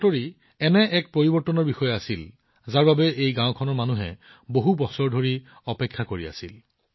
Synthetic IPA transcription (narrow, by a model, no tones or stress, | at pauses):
atoɹi | ɛnɛʔɛk̚pɹoɹibɔɹtɔnɔɹbixɔjɔasil | zaɹbabɛʔejɡãw̃kʰɔnɔɹmanuɦɛ̰ | boɦubɔsɔɹdʱoɹi | ɔpɛkʰːakoɹia̰sḭl